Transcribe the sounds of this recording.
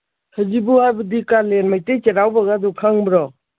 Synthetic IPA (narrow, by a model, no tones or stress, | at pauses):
həd͡ʒibuhajbədikalenmajtet͡ʃeɾawbaɡadukʰaŋbɾɔ